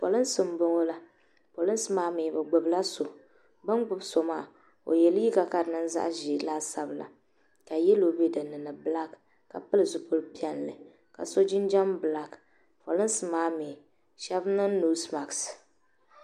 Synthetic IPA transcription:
po̰˨lɨ˦n˦sɨ˨m˦bʊ˦ŋo˦la˦ | po˨lɨ˦n˦sɨ˦maː˦meː˨bɨ˨ɡ͡bʊ˨bla˦so˨ | ba˦nɡ͡bʊ˦bso˨maː˦˨ | o̰˨jɛ˨li˦ka˨ka˨ɾɨ˨nɨ˦nza̰˦ʔʒi˨la˦sa˨bla̰˨ | ka˨jɛ˦lo˨be˦dɨ˨nɨ˨nɨ˨bɨ˦la˦kː | a̰˨pɨ˦lɨ˨zʊ˨pʊ˦lpi˦ɛ˦nlɨ˨ | ka̰˨so˦d͡ʒɪ˦nd͡ʒa˦mbɨ˨la˦k | pɔ˨lɨ˦n˦sɨ˨maː˦me˨ | ʃɛ˦bnɨ˦nuː˦sma˨ks

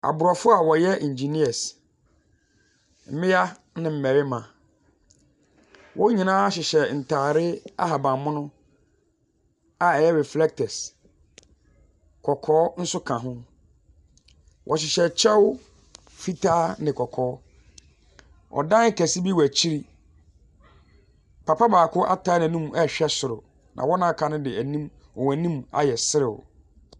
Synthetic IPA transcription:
a̰˨bʊ˨ɾɔ˨fʊ˦a˨wɔ˨jɛ˦ʔĩ˨ɲ˨d͡ʑi˨ni˦a˨s | m̩˦mɪ̃˦ja˦ | nɪ̃˨m̩˨mæ˨ɾɪ˦mã˨ | wʔɔ̃˦ɲĩ˨nãː˦ɕɪ˨ɕɛ˨n̩˨tʰaː˨ɾɪ˦a̰˦ɦa˨bã˨mmːʊ̃˦nʊ̃˦ | a˨ɛ˨jɛ˦ɾɛ˨flɛ˦k̚tʰɛ˨s | kʰɔ˨kʰɔː˦n̩˦sʊ˦kʰã˨ɦʊ̃˦ | wʔɔ˨ɕɪ˨ɕɛ˨t͡ɕʰɛ˦wʊ˦ | fi˦tʰaː˦nɪ̃˨kʰɔ˨kʰɔː˨˦ | ɔ̰˨dã˦ŋ̩˦kɛ˨sɪ˦bi˦wæ˨t͡ɕʰi˦ɾi˦ | pʰa˨pʰa˦baː˨kʰʊ˦ʔa˦tʰa˦n˨æ̃˨nũ˦m˨ɛ˦˨ɕᶣɛ˦sʊ˨ɾʊ˨ | nʔã̰˨wɔ˦nã˦kʰã˨nʊ̃˦dɪ˨æ˨nĩ˦m | ɔ˨wæ˨nĩ˦ma̰˨jɛ˨sɪ˦ɾɪ˨wɔ̰˨

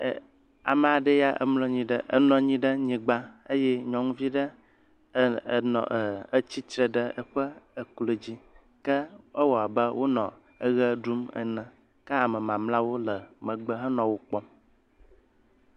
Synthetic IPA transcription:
a̰˨mə̃˨a˨ɖə˦ja˦ʔə̰˨mlo˦ɲĩ˨ɖə˦ʔə˨nɔ̃˨ɲĩ˦ɖə˦ɲĩ˨ɡ͡ba˦ə˦jɛ˦ɲɔ̃˨ŋũ˦vi˦ɖə˦˨ | nɔ̰̃˨ə˨ə˦t͡ɕi˦tɾə˨ɖə˦ə˨ɸə˦ə˨klo˨d͡ʑi˦ | kə˦ə˦wɔ˨a˨bə˦wo˦nɔ̰̃˨ | ə˦ɣə˦ɖu˦mə̰˨nə̃˨ | kə˦a˨mə̃˨mã˨mla˦wo˦lə˨mə̃˨ɡ͡bə˦ɦə˦nɔ̃˨wo˦k͡pɔ˦

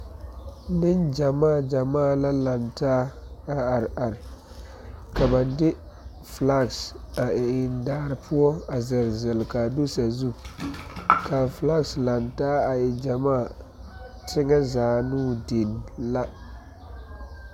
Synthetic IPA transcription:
nɪ˦nd͡ʒa˨maː˦˨d͡ʒa˨maː˦˨la˦la˨ntaː˦a˦a˨ɾʔa˨ɾɪ˨ | ka˨ba˨ndɪ˦ | fla˦˨ksa˨ʔɪ˨ɪ˨ndaː˦ɾɪ˨pʰʊ˦ɔ˦a˨zɪ˨lzɪ˨lka˨du˦sa˨zu˦ | ka˨fla˦ksla˨ntaː˦a˨jɛ˨d͡ʒa˨maː˦˨ | tʰɪ˦ŋa˦zaː˨nuː˦˨de˨n˨la˦

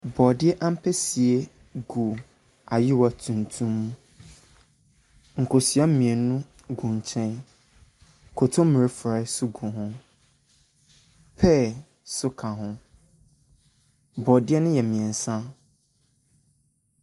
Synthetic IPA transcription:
bɔ˨dɪ˦ɛ˦ʔã˦m̩˦pʰɛ˦si˨e˦ | ɡu˨ | a˨jɪ˦wa˨tʰũ˨n˨tʰũ˦mːũ˦ | ŋ̩˨kʰo˨si˨a˦m̩˦mĩ˨e˨nũ˦ | ɡũ˨ɲ˨t͡ɕʰɛ̃˦n˨ | kʰʊ˨tʰʊ̃˦m˦mɪ̃˨ɾɪ˦fa˨˦sʊ˦ɡu˨ɦʊ̃˦ | pʰɛ˦˨ | sʊ˦kʰã˨ɦʊ̃˦ | bɔ˨dɪ˦ɛ˦nʊ̃˦jɛ˨mĩ˨ɛ˨n̩˨sã˦

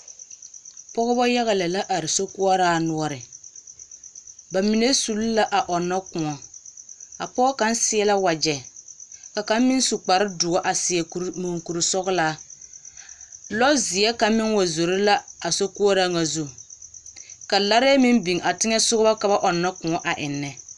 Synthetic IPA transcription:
pɔ˦ɣɔ˦bɔ˦ja˦ɣa˨lɛ˨la˦ʔa˨ɾɪ˨so˦ku˦a˦ɾaː˦nʊ˦ɔ˦ɾɪ˨ | ba˨mi˨ne˦su˨lla˦ʔa˨ʔɔ˨nːɔ˦kʊ̃˨ŋɔ˨ | a̰˨pɔː˦ka˦nsɪ˦ɛ˦la˦wa˨d͡ʒɛ˨ | ka˨ka˦m˦mɪ˦n˦su˨k͡pa˨ɾɪ˦dʊ˨ɔ˦ʔa˨sɪ˨ɛ˨˦mo˨ŋku˨ɾɪ˨sɔ˦ɣlaː˦ | lɔ˦zɪ˨jɛ˦ka˨˦mɪ˦ŋwa˨zo˨ɾɪ˦la˦a˨so˦ku˦ɔ˦ɾa˦ŋa˨zu˦˨ | ka˨la˦ɾɛ˦ɛ˦mɪ˦nbi˨ŋʔa˨tɪ˦ŋɛ˦sʊ˦ɣʊ˦ba˦ka˨ba˦ʔɔ˨nːa˦kʊ̃˨ɔ˦ʔa˨ʔɪ˨nːɛ˨

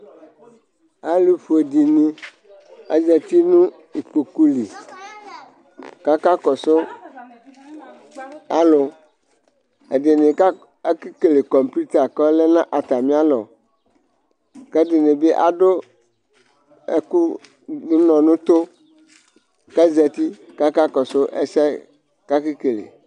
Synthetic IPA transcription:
a˦lu˦fu˨e˨di˨nĩ˦ | a̰˨d͡ʒɛ˨t̪i˦nũ˦ | i˨k͡po˨ku˦li˨ | ka˦ka˦kɔ˨so˦ | a˦lo˨ | e˨de˨nẽ˨ka˦ | e˦ki˦ke˨le˨kɔ˨m˨pu˦t̪a˨kɔ˦lɛ˦nã˦ʔa˨t̪a˨mĩ˦a˦lɔ̰˨ | kɛ˦de˨ne˨be˦ʔa̰˨do˦ | ḛ˦ku˦ | nũ˦nɔ̃˨nũ˦t̪o˦ | kɛ˦zɛ˨t̪i˦ka˦ka˦kɔ˨so˦ʔḛ˦sɛ˦ | ka˦ki˦ke˨lḛ˨

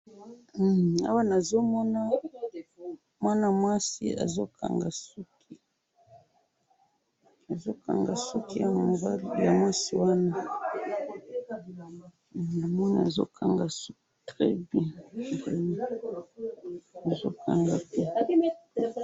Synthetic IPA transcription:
a̰˦wa˦na˨zo˦mɔ˦na˦ | mwa˦na˨mwa˦sḭ˦a̰˨zo˦kʰa̰˨ŋɡa˨su˦kʰi˨ | a˨zo˦ka̰˨ŋɡa˨su˦ki˦ja˦ŋ˨mo˨ba˦li˨ja̰˨mwa˦si˨wa˦na˦˨ | na˨mɔ˦na˨a˨zo̰˦kʰa˨ŋɡa˨su˦ktʁɛ˦bjɛ̃˦e˦a˦ | a˨zo˦kʰa˨ŋɡa˨tɛ˦

